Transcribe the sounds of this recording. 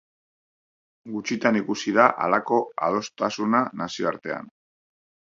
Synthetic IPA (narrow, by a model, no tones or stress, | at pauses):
ɡut͡ʃit̪anikusiðaʔa̰lako̞a̰ð̞o̞st̪asunanasio̞aɾt̪e̞a̰n